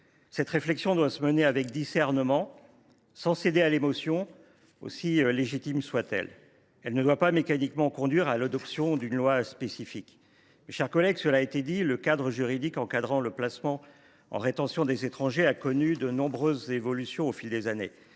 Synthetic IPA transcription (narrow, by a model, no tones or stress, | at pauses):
sɛt̪χeflɛksjɔ̃d̪wasəməneavɛkd̪isɛʁnəmɑ̃ | sɑ̃sed̪ealemɔsjɔ̃ | o̰sileʒit̪imswat̪ɛ̰l | ɛlnəd̪wapamekanikmɑ̃kɔ̃d̪ɥiʁalad̪ɔpsjɔ̃d̪ynlwaspesifik | mʃɛʁkɔlɛɡsəlaet̪ed̪iləkad̪ʁəʒyʁid̪ikɑ̃kad̪ʁɑ̃ləplasmɑ̃ | ɑ̰̃ʁet̪ɑ̃sjɔ̃d̪ezet̪χɑ̃ʒeakɔnyd̪ənɔ̃bʁøzevɔlysjɔ̃ofild̪ezanḛ